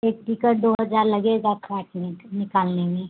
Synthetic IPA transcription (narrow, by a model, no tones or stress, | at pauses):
eːk̚ʈ̪ikəɾd̪oːɦəzaːɾlɐɡeɡakɛːʈnɪnɪkaːlnemẽ